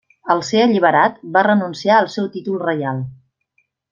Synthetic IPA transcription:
əlˠseəʎiβ̞əɾat̪barənunsiaəlˠsɛwt̪it̪ulˠrəjalˠ

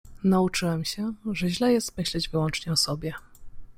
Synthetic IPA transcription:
naut͡ʂɘwɛmɕɛʐɛʑlɛjɛst̪mɘɕlɛd͡ʑvɘwɔnt͡ʂɲɛɔsɔbʲjɛ

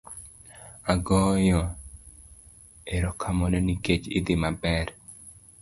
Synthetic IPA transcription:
aɡɔjɔ | eɾɔkʰamɔnɔniket͡ʃɪd̪ɪmabɛɾ

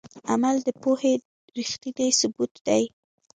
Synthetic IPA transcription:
amald̪əpohe | ɾixt̪id̪ajsʊbut̪d̪aj

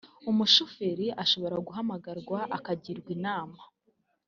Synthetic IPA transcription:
umuʃufeɾiʔaʃo̞βo̞ɾaɡuɦamaɡaɾɡwaʔakaɟiɾɡwinaːma

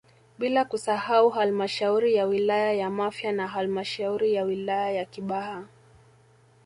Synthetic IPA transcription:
ɓilakusahauɦalmaʃauɾijawilajajamafjanaɦalimaʃauɾijawilajajakiɓaha

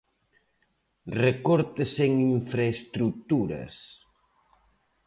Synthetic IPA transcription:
rekoɾt̪eseŋiɱfɾaest̪ɾukt̪uɾɐ̰s

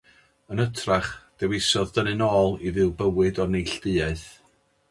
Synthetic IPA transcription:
ənətʰraχd̥ɛwɪsɔðdənɨnɔːlˠiðɨwbəwɨdɔrnejɬd̥ɨaɨθ

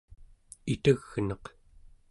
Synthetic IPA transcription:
it̪əɣnʌq

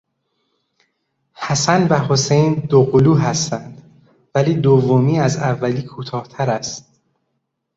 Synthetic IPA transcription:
hæsænbæɦosejnd̪oɣoluːɦæst̪ænd̪̥ | væliːd̪ovːomiːæzævːæliːkʰuːt̪ʰɒːht̪ʰæɾæst̪̚

